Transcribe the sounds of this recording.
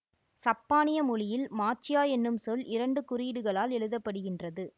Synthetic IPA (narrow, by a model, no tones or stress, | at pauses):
sɐpːaːnɪjɐmʊɭɪjɪlmaːt͡ʃɪjaːjɛnːɯmsɔlʔɪɾɐɳɖɯkʊɾiːɽɯɣɐɭaːlɛɻɯðɐpːɐɽɯɣɪndrɐðɯ